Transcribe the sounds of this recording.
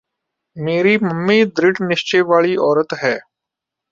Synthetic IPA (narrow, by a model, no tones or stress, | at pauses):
meːɾiːməmːeːd̪ɾɪɖnɪʃt͡ʃeːʋaːɭiɔːɾət̪ɦɛː